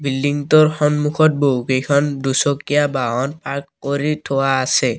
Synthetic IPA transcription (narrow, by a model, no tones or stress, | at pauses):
bildiŋtɔɹxɔnmukʰɔt̚boukejkʰɔndusɔkijabaɦɔnpaɹkːoɹitʰowaːsɛ